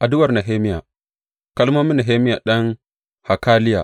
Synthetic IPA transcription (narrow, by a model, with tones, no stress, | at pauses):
ʔa˨dʊ˦wɐ˨rna˨ɦeː˦mi˦ja̰˨ | kɐ˦lma˦mːi˦na˨ɦeː˦mi˦ja̰˨ɗɐ˦n | ha˨kaː˦lɪ˦ja̰˨